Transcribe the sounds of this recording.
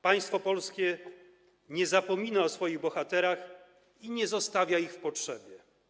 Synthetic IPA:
paj̃st̪fɔpɔlskʲɛ | ɲɛzapɔmʲinaɔsfɔjiɣbɔxat̪ɛɾax | iɲɛzɔst̪avʲjaixfpɔtʂɛbʲjɛ

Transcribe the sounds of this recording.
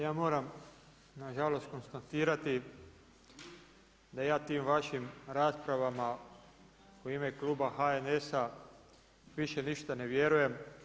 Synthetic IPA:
jaːmo̞ːɾam | naʒalo̞st̪̚ko̞nst̪at̪iːɾat̪i | d̪ajaːt̪iːmʋaʃimɾaːspɾaʋama | uiːme̞kluːbaxaenesa | ʋiʃe̞niʃt̪ane̞ʋjeɾuje̞m

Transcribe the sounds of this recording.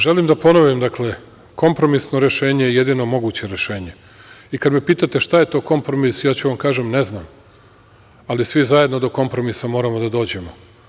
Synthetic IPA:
ʒe̞limd̪apo̞noʋimd̪akle | ko̞mpɾo̞misno̞ɾe̞ʃe̞ːɲejeje̞d̪ino̞mo̞ɡuːt͡ɕe̞ɾe̞ʃe̞ːɲe̞ | ikad̪mepiːt̪at̪e̞ʃt̪ajet̪o̞ko̞mpɾo̞misjaːt͡ɕeʋamkaːʒemne̞znaːm | alisʋizaje̞d̪nod̪o̞ko̞mpɾo̞misamo̞ːɾamod̪ad̪o̞ːd͡ʑe̞mo

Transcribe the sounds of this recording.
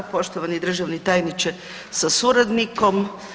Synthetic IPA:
po̞ʃt̪oʋanid̪r̩ʒaʋnit̪ajnit͡ʃe | sasuɾad̪niko̞m

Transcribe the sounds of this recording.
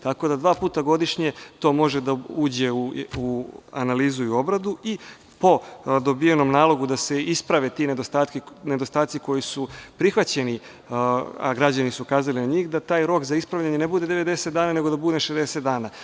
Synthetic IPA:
t̪ako̞d̪ad̪ʋaːpuːt̪aɡo̞d̪iʃɲe̞t̪o̞ːmo̞ʒed̪auːd͡ʑe̞uua̰naliːzuio̞bɾad̪ui | po̞d̪o̞bijeno̞mnaːlˠo̞ɡud̪ase̞ispɾaʋet̪ined̪ost̪aːt̪kine̞d̪o̞st̪aːt̪siko̞jisupɾixʋat͡ɕe̞ni | a̰ɡɾad͡ʑanisukaːzalinaɲiːxd̪at̪aːjɾo̞kzaispɾaʋlʎaɲe̞ne̞bud̪e̞d̪e̞ʋe̞d̪e̞set̪d̪aːnaːne̞ɡod̪abud̪eʃezd̪e̞set̪d̪aːnaː

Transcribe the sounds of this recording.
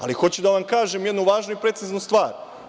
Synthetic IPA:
a̰lixo̞t͡ɕud̪aʋamkaːʒemjed̪nuʋaːʒnoipɾe̞t̪siznust̪ʋaːɾ

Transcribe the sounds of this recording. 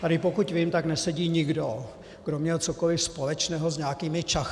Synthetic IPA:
t̪aɾɪpokucviːmt̪aknɛsɛɟiːɲɪɡdo | ɡ̥domɲɛlt͡sokolɪfspolɛt͡ʃnɛːɦozɲaːkiːmɪt͡ʃax

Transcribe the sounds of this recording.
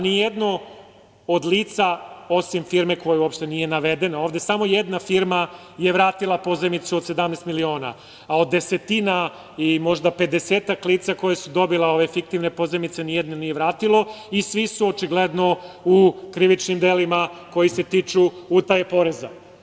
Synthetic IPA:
nijed̪no̞ | od̪liːt̪sao̞simfiɾme̞kojuuopʃt̪e̞nije̞naʋe̞d̪e̞nao̞ːʋd̪e̞samo̞jed̪nafiɾma | je̞ʋɾaːt̪ilˠapo̞zemit̪suod̪se̞d̪amnest̪milio̞ːna̰ | ao̞d̪ːe̞set̪ina | imo̞ʒd̪ape̞d̪eseːt̪aklˠiːt̪sako̞jesud̪o̞bileo̞ʋe̞fik̚t̪iʋne̞po̞zemit̪se̞nijed̪nonije̞ʋɾaːt̪ilˠo̞isʋisuot͡ʃiɡled̪no̞ukɾiʋit͡ʃnimd̪eːlimako̞jise̞t̪it͡ʃuut̪ajepo̞ɾe̞za̰

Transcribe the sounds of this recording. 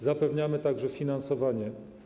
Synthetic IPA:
zapɛvɲamɘt̪aɡʐɛfʲinansɔvaɲɛ

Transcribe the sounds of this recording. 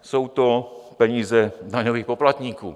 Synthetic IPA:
sowt̪opɛɲiːzɛdaɲoviːxpoplat̪ɲiːkṵː

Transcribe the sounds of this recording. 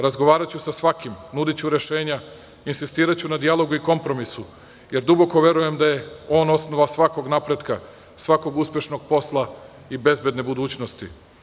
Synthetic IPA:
ɾazɡoʋaːɾat͡ɕusasʋakimnud̪it͡ɕuɾe̞ʃe̞ːɲa | insist̪iːɾat͡ɕunad̪ijalˠo̞ɡuiko̞mpɾo̞misu | je̞ɾd̪ubo̞ko̞ʋje̞ɾuje̞md̪aje̞o̞ːno̞sno̞ʋasʋako̞ɡnapɾe̞d̪ka | sʋako̞ɡuspʲje̞ʃno̞ɡ̥po̞slˠa | ibe̞zbe̞d̪ne̞bud̪uːt͡ɕno̞st̪ḭ

